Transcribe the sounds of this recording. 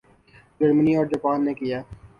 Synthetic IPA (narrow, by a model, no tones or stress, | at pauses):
d͡ʒɐɾməniɔːɾd͡ʒɐpaːnːekijaː